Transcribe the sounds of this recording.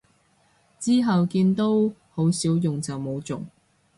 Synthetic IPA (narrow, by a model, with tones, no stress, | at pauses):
t͡siː˥ɦɐ˨wkiː˧nt̪o˥who˨˥wsiː˨˥wjʊ˨ŋt͡sɐ˨wmo˨˧wt͡sʊ̰˨ŋ